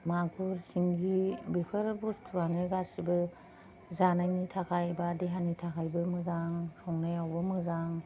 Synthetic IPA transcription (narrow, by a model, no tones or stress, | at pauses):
maɡʰuɾsiŋɡibipʰɯɾbustʰuɾanɯɡasibɯ | zanajnitʰakʰajbadeɦanitʰakʰajbɯmɯzaŋsɔŋnajawbɯmɯzaŋ